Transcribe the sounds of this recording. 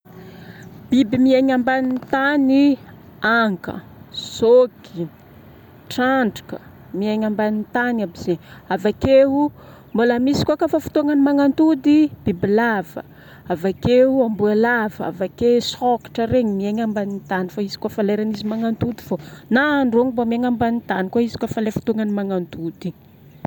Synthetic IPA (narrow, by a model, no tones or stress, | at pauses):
b̥ibimiaɲambanit̪ani | aŋkə̰ | z̥oɡi | ʈ͡ʂaɳɖ͡ʐḁkə̰ | miaɲambanint̪anabizeavakeu | mbolamisi̥kʲʷakafafu̥t̪oaŋanimaŋant̪ud̪ib̥ibilavə̰ | avakeuambualavəa̰vakesɔki̥ʈ͡ʂəɾeɲimiaɲambanint̪anifaizi̥kafaleɾanizimaŋant̪ud̪iv̥onaːɳɖ͡ʐoŋibamiaŋambanit̪anikuaizi̥kafalajfu̥t̪oŋanimaŋant̪ud̪i